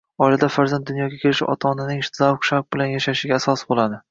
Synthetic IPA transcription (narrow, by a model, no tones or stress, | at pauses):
ɒɪlad̪afaɾzand̪ːʊnjɒɡʲakʲʰelɪʃɪɒ̰t̪ʰaːnanɪŋɪʃt̪ʰɪzawkʃaɾk̚bɪlanjaʃaʃɪɡʲaːsɒsbolˠad̪ɪ